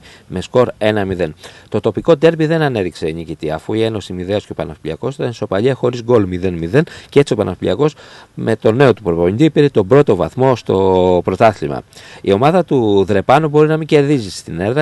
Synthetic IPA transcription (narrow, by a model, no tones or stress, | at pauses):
me̞sko̞ɾe̞nɐmiðe̞nt̪o̞t̪o̞piko̞d̪e̞ɾbiðe̞nɐne̞ðikse̞nicit̪iɐ̰fuie̞no̞simiðe̞oscepɐnɐfiliɐko̞st̪enso̞pɐʎiɐxo̞ɾizɡo̞lmiðe̞nmiðe̞ncee̞t͡sio̞pɐnʔɐfilḭɐko̞smʔe̞t̪o̞ne̞o̞t̪upɾovoind̪ipiɾet̪o̞bɾo̞t̪o̞vɐ̰θmo̞st̪o̞pɾo̞t̪ɐθlimɐ̰io̞mɐðɐt̪uðɾe̞pɐnubo̞ɾinɐmiɲɟe̞ɾðizist̪ine̞ðɾɐ